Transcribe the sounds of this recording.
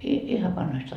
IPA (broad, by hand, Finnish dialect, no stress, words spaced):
ihɑʋ ʋɑnhoist